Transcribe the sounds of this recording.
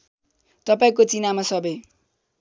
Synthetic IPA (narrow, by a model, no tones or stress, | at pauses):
t̪ʌpaĩkot͡sinamasʌbe